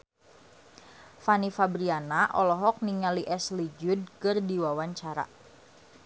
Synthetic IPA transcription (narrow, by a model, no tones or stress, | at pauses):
fanifabɾianaʔɔlɔɦɔk̚niŋaliʔɛslid͡ʒud̚kɨrdiwawaɲt͡ʃaɾa̰